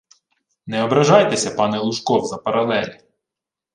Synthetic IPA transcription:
nɛɔbɾɐʒɑjt̪esʲɐpɑnɛlˠuʃkɔwzɐpɐɾɐlˠɛlʲi

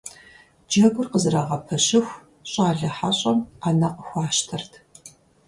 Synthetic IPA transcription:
d͡ʒɐɡʷʊrqəzɨraːʁɐpʰɐɕɪxʷ | ɕʼaːɮɐħaɕʼɐmaːnɐqəxʷɑːʃtʰɐrtʰ

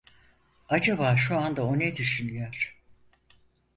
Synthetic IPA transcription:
ad͡ʒabaːʃuand̪aoned̪yʃynyjoɾ̥

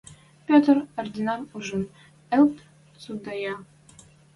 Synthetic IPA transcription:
pʲot̪rord̪ʲinɑnuʒɤ̆n | ɘ̆lt̪ | sud̪ɑjɑ

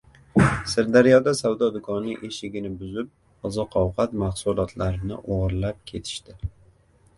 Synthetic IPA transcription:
sɪɾd̪aɾijɒd̪asawd̪ɒd̪ʊkʰɒniʔeʃɪɡʲɪnɪbʊzɪp̚ | ɒzɒqʰɒwqʰɑt̪mahsulˠɒt̪ʰlaɾɪnɪ̰ʔoʁɾlap̚kʲʰe̞t̪ʰɪ̥ʃt̪ɪ

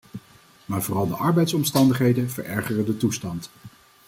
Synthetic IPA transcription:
maːɹvoːrɑlˠdəʔɑɹbɛjtsɔmstɑndəχɦejdənv̥ə̰ɹɛɹχərədətustɑnt

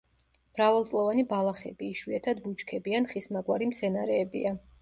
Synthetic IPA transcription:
m̥ɾavalt̪sʼlˠɔvanibalˠaχɛ̰biːʃwiɛt̪ʰad̪but͡ʃʼkʰɛbianχismaɡwaɾimt̪sʰɛnaɾɛːbḭa

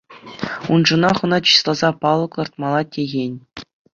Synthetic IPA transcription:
unʐunɑχŭnɑt͡ɕi̥slˠɑzɑpɑlˠɤ̆klˠɤ̆rt̪̚mɑlˠɑtʲeɣʲenʲ

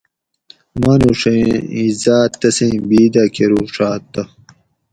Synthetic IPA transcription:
manuʂeizaːt̪ːɐsẽbiːd̪akʰeɾuʂaːt̪ːɐ

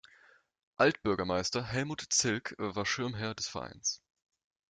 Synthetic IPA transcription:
ʔaltb̥ʏɐɡɐmaɪstɐɦɛlmuːtt͡sɪlkvaːɐʃɪɐmɦɛɐdɛsfɛɐʔa̰ɪns

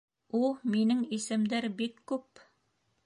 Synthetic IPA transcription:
ulˠminɘŋisɘ̆md̪æɾbikːʉp

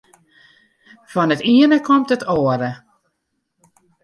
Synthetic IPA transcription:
fɔnətiənəkʰɔmtətʰoəɾə

